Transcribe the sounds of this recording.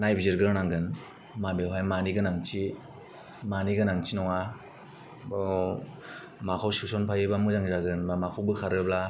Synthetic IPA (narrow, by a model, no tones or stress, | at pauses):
najbiziɾɡɯɾnaŋɡɯn | mabewɦajmaniɡɯnaŋt͡ʃi | maniɡɯnaŋt͡ʃinɔŋa | bɔ | makʰawsusɔnpʰajɯbamɯzaŋzaɡɯnmamakʰawbɯkʰaɾɯbla